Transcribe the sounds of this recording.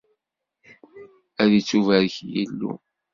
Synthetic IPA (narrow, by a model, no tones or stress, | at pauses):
æðit͡sːuvæɾəçjilːṵ